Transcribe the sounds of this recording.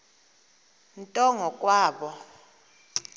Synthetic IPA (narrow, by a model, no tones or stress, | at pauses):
n̩tʼɔŋɔkʼwaːɓɔ